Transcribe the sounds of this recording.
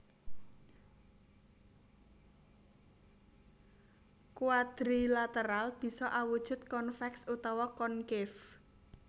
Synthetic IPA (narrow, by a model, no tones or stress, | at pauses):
kuad̪̥ɾilat̪əɾalb̥i̤sɔʔawud̥ʒ̥uʊ̤t̪̚kɔnfɛksut̪ɔwɔkɔnkɪf